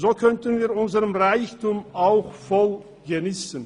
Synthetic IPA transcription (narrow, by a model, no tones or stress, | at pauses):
zoːkʰœntənviːʊnzəʁəmʁaɪçtumaʊxfɔl | ɡəniːsən